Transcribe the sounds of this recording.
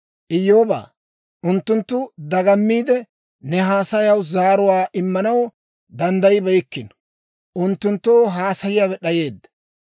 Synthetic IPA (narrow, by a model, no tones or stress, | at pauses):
ʔɪjːo̞ːba̰ː | ʔʊnt̪ːʊnt̪ːʊd̪ɐɡɐmːiːd̪ɛ | nɛɦaːsɐjɐwzaːɾʊwaːʔɪmːɐnɐw | d̪ɐnd̪ɐjɪbɛjkːɪn | ʔʊnt̪ːʊnt̪ːoːɦaːsɐjɪjaβɛɗɐje̞ːd̪ːɐ̥